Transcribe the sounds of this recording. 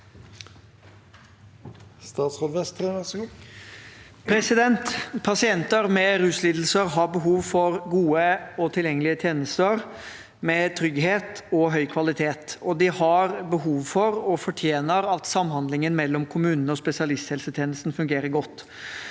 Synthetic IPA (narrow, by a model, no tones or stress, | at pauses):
st̪ɑːt̪sʁoːd̪ʋɛst̪ | pʰɾɛsɪd̪ɛnt̪pʰɑsɪɛnt̪əɾmɛɾʉːsliːd̪l̩səɾɦɑɾbəɦuːʋfɔɾɡuːəɔt̪ʰɪljɛŋːlɪət̪ʰjeːnəst̪əɾ | mɛt̪ʰɾʏɡɦeːt̪ɔɦœʏkʰʋɑlɪt̪ʰeːt̪ɔd̪ɪhɑɾbəɦuːʋfɔɾɔfɔʈʰjeːnəɾɑt̪sɑmːhɑnd̪lɪŋənmɛlːɔmkʰʊmʉːnənəɔspɛsɪɑlɪst̪hɛlsət̪ʰjeːnəst̪n̩fʉŋɡeːɾəɡɔt̪ː